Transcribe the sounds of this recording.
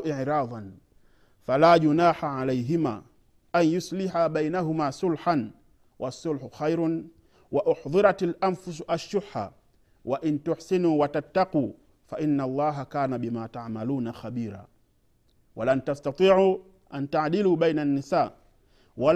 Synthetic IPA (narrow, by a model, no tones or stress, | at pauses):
ʔɪʕɾɑːðˤɑn | falaːʄʊnaːħaʕalɛjɦɪma̰ː | ʔanjʊslɪħaɓajnaɦʊmaːsʊlħan | wʔasːʊlħʊxajɾ | waʔʊħðˤɨɾatalʔamfʊs̬ʔaʃːʊħa̰ | waʔɪntʊħsinuːwatat̪ːaquː | faʔɪnːalˤːɑːɦakaːnabimaːtaʕmaluːnaxabiːɾa̰ː | walantastat̪ˤiːʕu | ʔantaʕdiluːɓɛjnanːisaː | wal